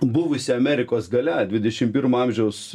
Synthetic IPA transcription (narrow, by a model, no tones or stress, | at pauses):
bʊʋʊsʲɪɐmʲæɾʲɪkoːsɡɐlʲɛd̪ʲʋʲɪd̪ʲɛʃʲɪmpʲɪrmɐɐmʲʒʲɛʊs